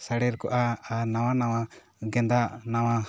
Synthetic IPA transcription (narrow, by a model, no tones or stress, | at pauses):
saɽɛɾkɔʔaːnawanawa | ɡɛnd̪aʔnawa